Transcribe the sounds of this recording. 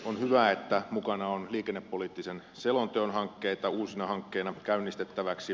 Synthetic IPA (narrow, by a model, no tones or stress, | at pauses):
onhyʋæet̪ːæmukɑnɑonliːkenːepːoliːt̪ːisen | selont̪eonhɑŋkːeit̪ɑuːsinɑhɑŋkːeːnɑkæynːist̪et̪ːæʋæksi